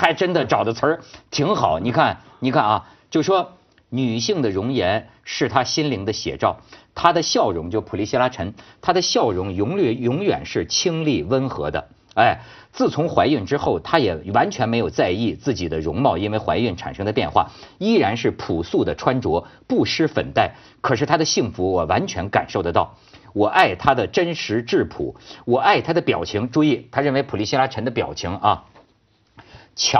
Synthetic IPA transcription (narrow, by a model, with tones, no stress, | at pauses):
xa˧˥ɪʈ͡ʂə˥nd̪ə˨ʈ͡ʂɑ˨˩ʊd̪ə˦t͡sʰə˞˧˥t̪ʰi˧˥ŋxɑ˨˩˦ni˨˩kʰa˥˩n | ni˨˩kʰa˥˩nɐ˧˩ | t͡ɕjo˥˧˩ʊʂwɔ˥ | ny˨˩ɕi˥˩ŋd̪ə˩ɻʊ˧˥ŋjɛ˧˥n | ʂɻ̩˥˩t̪ʰa˥ɕi˥nli˧˥ŋd̪ə˧ɕjɛ̰˨˩ʈ͡ʂɑ˥˩ʊt̪ʰa˥d̪ə˨ɕjɑ˥˩ʊɻʊ˧˥ŋt͡ɕjo˥˩ʊpʰu˨˩li˧˥ɕi˥la˥ʈ͡ʂʰə˧˥nt̪ʰa˥d̪ə˨ɕjɑ˥˩ʊɻʊ˧˥ŋjʊ˧˥ŋ˧˩jʊ˧˥ŋɥɛ̰˨˩nʂɻ̩˥˩t͡ɕʰi˥ŋli˥˩wə˥nxɤ̰˧˥d̪ə̰˧ | a˥˩ɪ | t͡sɹ̩˥˩t͡sʰʊ˧˥ŋxwa˧˥ɪy˥˩nʈ͡ʂɻ̩˥xo˥˩ʊt̪ʰa˥jɛ˨˩wa˧˥nt͡ɕʰɥɛ˧˥nm˧˥ɪjo˨˩ʊt͡sa˥˧ɪi˥˧t͡sɹ̩˥˩t͡ɕi˨˩d̪ə˦ɻʊ˧˥ŋmɑ˥˩ʊi˥nwe˥˧ɪxwa˧˥ɪy˥˩nʈ͡ʂʰa̰˨˩nʂɤ˥ŋd̪ə˧pjɛ˥˧nxwa̰˥˩i˥ɻa˧˥nʂɻ̩˥˩pʰu˨˩su˥˩d̪ə˩ʈ͡ʂʰwa˥nʈ͡ʂwɔ˧˥pu˥˩ʂɻ̩˥fə̰˨˩nt̪a˥˩ɪ | kʰɤ˨˩ʂɻ̩˥˩t̪ʰa˥d̪ə˨ɕi˥˩ŋfu˧˥wɔ˨˩wa˧˥nt͡ɕʰɥɛ˧˥nka̰˨˩nʂo˥˩ʊd̪ə˩t̪ɑ˥˩ʊ | wɔ˨˩ʔa˥˩ɪt̪ʰa˥d̪ə˨ʈ͡ʂə˥nʂɻ̩˧˥ʈ͡ʂɻ̩˥˩pʰṵ˨˩˦wɔ˨˩a˥˩ɪt̪ʰa˥d̪ə˨pjɑ˨˩ʊt͡ɕʰi˧˥ŋʈ͡ʂu˥˧i˥˩t̪ʰa˥ɻə˥˩nwe˧˥ɪpʰu˨˩li˥˩ɕi˥la˥ʈ͡ʂʰə˧˥nd̪ə˧pjɑ̰˨˩ʊt͡ɕʰi˧˥ŋɐ˥˧ | t͡ɕʰ